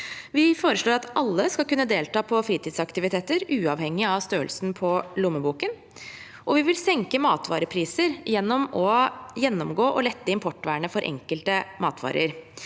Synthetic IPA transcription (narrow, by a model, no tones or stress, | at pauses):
ʋɪfoːɾəʂɭoːɾɑt̪ʔɑlːəskɑlkʉnːəd̪eːlt̪ɑːpʰɔfɾiːt̪iːd̪sɑkt̪ɪʋɪt̪ʰeːt̪əɾʉːɑʋhɛŋːɪɑʋst̪øːəlsnpʰɔlʊmːəbuːkən | ʔɔʋɪʋɪlsɛŋkəmɑːt̪ʰʋɑ̰ːɾəpʰɾiːsəɾjɛnːɔmɔjɛnːɔmɡoːʔɔlɛt̪ːəɪmpʰɔʈːʋæːɳəfɔɾʔɛ̰ŋkəlt̪əmɑ̰ːt̪ʰʋɑ̰ːɾə̰ɾ